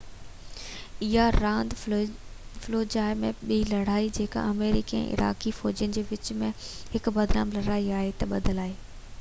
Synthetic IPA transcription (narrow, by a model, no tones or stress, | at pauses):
ɪɦaɾãːnd̪ | floːd͡ʑaːɪmẽɓiːlɐɽ̤aːid͡ʑeːka̰ʔɐmeːɾɪ̰kiɛ̰̃ʔɪ̰ɾa̰ːkifɔːd͡ʑijənɪ̆d͡ʑeːʋɪt͡ɕmẽhɪkbɐd̪na̰ːmlɐɽ̤aːiaːɦet̪ɐɓɐd̪ʱəlaːɦeː